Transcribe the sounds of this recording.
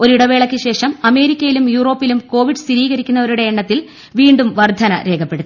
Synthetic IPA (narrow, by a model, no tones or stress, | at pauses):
o̞ɾiɽɐʋe̞ːɭɐkʲːɨɕe̞ːʂɐmɐme̞ːɾikʲːɐjilumjuːro̞ːpːilumko̞ːʋiɖɨsiɾiːɣɐɾikʲːunːɐʋɐɾuɽe̞ːɳːɐt̪ːil | ʋiːɳɖumʋɐrd̪ʱɐnɐ̰ɾe̞ːkʰɐpːe̞ɽut̪ː